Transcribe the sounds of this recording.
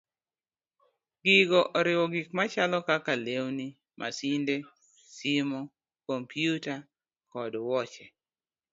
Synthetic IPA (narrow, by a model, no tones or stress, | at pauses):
ɡ̥ɪɡɔʔɔɾɪwɔɡikmat͡ʃalɔkakalewni | mʔa̰sinde | simɔ | kompjuta | kɔdwɔt͡ʃɛ